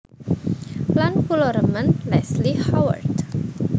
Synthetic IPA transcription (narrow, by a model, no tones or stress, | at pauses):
lankulɔɾəmə̃nlɛslihawə̰rt